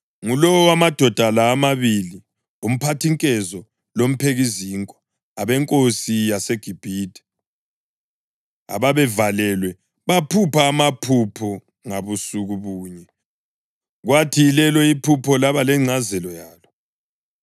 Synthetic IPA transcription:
ŋulɔwɔwamad̥ʱɔd̥ʱalaːmaβili | um̩pʰatʰiŋkʼɛzɔ | lom̩pʰeɣiziːŋkʼɔ̥ | aβɛŋkʼosijasɛɡ̥ʱib̥ʱiːdʱʼɛ̥ | a̰βaβɛvalɛlwɛ | βapʰupʰaːmapʰupʰɔ | ŋaβusuɣuβuːɲɛ | ɣwatʰilɛlɔipʰupʰɔlaβalɛŋ͡ǀʱazɛlɔjaːlɔ

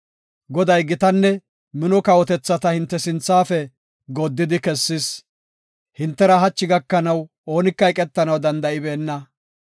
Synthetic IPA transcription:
ɡɔd̪ɐjɡɪt̪ɐnːɛ | mɪnɔkɐwɔt̪ɛt͡sːɐt̪ɐhɪnt̪ːɛsɪnt͡sːaːfɛ | ɡɔd̪ːɪd̪ɪkɛsːɪs | hɪnt̪ːɛɾɐɦɐt͡ʃːɪɡɐkːɐnɐw | o̞ːnɪkːɐjkʼɛt̪ːɐnɐwd̪ɐnd̪ɐʔɪbe̞ːnːɐ

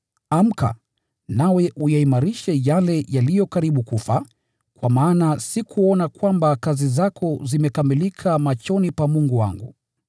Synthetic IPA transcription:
am̩ka̰ | nawɛʔujaimaɾiʃɛjalɛjalijɔkaɾiɓukufa | kwamaːnasikʰuɔnakwambakazizakʰɔzimɛkamilikʰamat͡ʃɔnipamuŋɡuwa̰ŋɡu

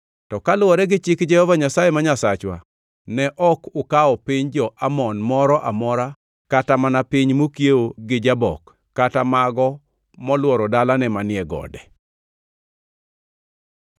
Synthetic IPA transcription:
tɔkalwɔɾɛɡɪt͡ʃɪkd͡ʒɛhɔvaɲasajemaɲasat͡ʃwa̰ | nɛʔɔkʊkaɔpiɲd͡ʒɔʔamɔnmɔɾɔʔamɔɾa | katamanapiɲmokjeoɡɪd͡ʒabɔ̰kː | atamaɡɔ | mɔlwɔɾɔdalanɛmanɪɛɡɔ̰dɛ

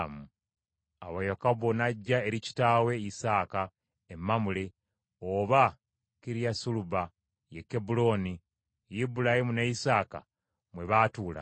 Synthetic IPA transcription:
mu | awajakabonaɟːaeɾici̥taːwe̞isaːka | emːamule | oβa | kiɾijasuluba | jekːebulo̞ːni | jibulahimuneisaːka̰ | mwe̞βaːtuːla̰

